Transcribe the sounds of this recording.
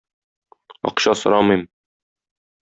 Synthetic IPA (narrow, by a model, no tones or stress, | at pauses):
ɒ̰qɕɑsŏɾɑmɤjm